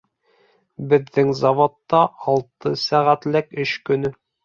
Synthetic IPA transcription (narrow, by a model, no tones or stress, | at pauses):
bɘ̆ðːɘŋzɑvot̪ːɑʔɑlˠt̪ɤsæʁæt̪lækɵɕkɵ̆nɵ